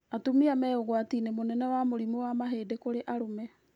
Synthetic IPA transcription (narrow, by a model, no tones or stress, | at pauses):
atomiamɛoɣwatinemonɛnɛwamoɾimowamaɦeːdekoɾeʔaɾomɛ